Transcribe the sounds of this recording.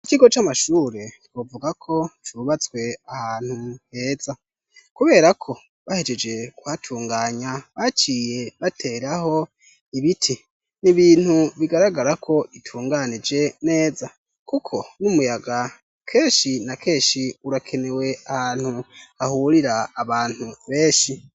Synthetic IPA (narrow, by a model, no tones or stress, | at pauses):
ikiɡo̞t͡ʃamaʃuːɾe̞twovuɡakʰo̞t͡ʃuɾuβat͡sɡwe̞ahaːn̥huhe̞ːza | kuβe̞ːɾakʰo̞ | βahe̞d͡ʒe̞d͡ʒe̞kwatʰuːŋɡaːɲaβat͡ʃije̞βatʰe̞ːɾaho̞ | iβitʰi | niβiːn̥huβiɡaɾaɡaɾakʰo̞ʔitʰuːŋɡanid͡ʒe̞ne̞ːza | kukʰo̞numujaɡa | kʰe̞ːʃinakʰe̞ːʃiuɾakʰe̞ne̞we̞ahaːnhuhahuɾiɾaːβaːn̥huβe̞ːʃi